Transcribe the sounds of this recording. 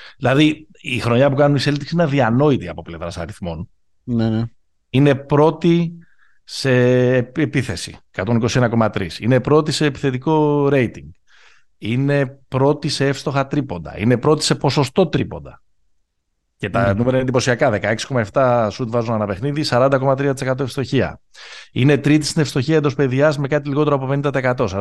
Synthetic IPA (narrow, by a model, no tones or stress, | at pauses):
ðilɐði | ixɾo̞ɲɐpukɐnuniselt̪iksinɐðiɐno̞it̪iɐpo̞ple̞vɾɐsɐ̰ɾiθmo̞n | nene | ine̞pɾo̞t̪i | se̞ːepiθe̞sḭkɐt̪o̞niko̞sie̞nɐko̞mɐt̪ɾisinepɾo̞t̪ise̞ːpi̥θe̞t̪iko̞ɾe̞jt̪iŋɡ | ine̞pɾo̞t̪ise̞efst̪o̞xɐt̪ɾipo̞nd̪ɐ̰ḭne̞pɾo̞t̪i̥se̞po̞so̞st̪o̞t̪ɾipo̞̰nd̪ɐ | cet̪ɐnumeɾɐined̪ipo̞siɐkɐðe̞kɐe̞ksi̥ko̞mɐe̞ft̪ɐsut̪vɐzunɐnɐpe̞xniðisɐɾɐnd̪ɐko̞mɐt̪ɾiɐt̪isekɐt̪o̞efst̪o̞çiɐ̰ | ine̞t̪ɾit̪̬i̥st̪inefst̪o̞çiɐend̪o̞spe̞ðiɐzme̞kɐt̪̬iliɣo̞t̪e̞ɾoɐpo̞penind̪ɐt̪eskɐt̪o̞sɐ